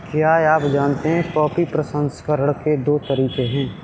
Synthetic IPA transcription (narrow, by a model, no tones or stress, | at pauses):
kjaːeaːpd͡ʒaːnt̪eɦɛ̃kɔːpipɾɐsə̃nskəɾəɽ̃ked̪oːt̪ɐɾiːkeɦɛ̃ː